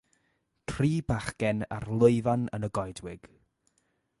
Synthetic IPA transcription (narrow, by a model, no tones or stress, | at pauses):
tʰriːbaχkɛna̰rlˠʊɨvanə̰nəɡɔjdwɪɡ̥